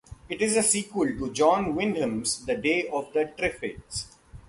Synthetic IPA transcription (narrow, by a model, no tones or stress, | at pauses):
ɪʈɪzəsiːkwəlʈud͡ʒɔ̃ːnʋɪ̃nɖə̃mzd̪əɖeːɔʋd̪əʈɾɪfɪʈs